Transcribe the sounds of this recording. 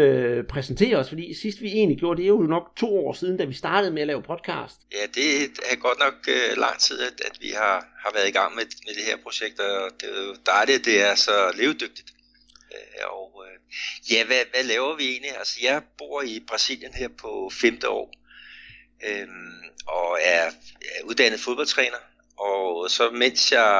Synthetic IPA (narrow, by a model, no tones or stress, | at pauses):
øpʰʁɛsn̩t͡sʰe̝̰ːɐɒ̽sfɒ̽d̥ḭːsisd̥ʋie̝̰ːnliɡ̥jo̝ːɐd̥e̝jo̝jonɒ̽ɡ̥t͡sʰo̝̰ːɒ̰ːsiːð̞ˠn̩d̥æʋisd̥ɑ̈ːd̥əð̞̩ˠmeælɛːʊpʰɒ̽d̥kʰɑ̰̈ːsd̥jæd̥e̝æɐɡ̥ɒ̽d̥nɒ̽ɡ̥ølɑ̈ŋ̰t͡sʰið̞̰ˠæ̥æd̥ʋḭhɑ̈hɑ̈ʋæɐðˠiɡ̥ɑ̈ŋ̰memed̥e̝heɐpʰʁo̝ɕeɡ̥̚d̥ɒd̥ejod̥ɑɪlid̥e̝æɐsɒ̽le̝ːʊd̥øɡ̥̚d̥id̥ | ɒʊ | jæʋæʋælɛːʊɐʋie̝̰ːnliælsəjɑ̈ɪb̥o̝̰ːɐ̰ib̥ʁɑ̈sḭl̰jənɦeɐ̰pʰɒ̽femd̥əɒ̰ː | ʔømɒ̽æɐuð̞ˠd̥æn̰ð̩ˠfo̝ðˠb̥ɒ̽l̰t͡sʰʁɛ̰ːnɐ | ʔɒsɒ̽men̰sjɑ̈ɪ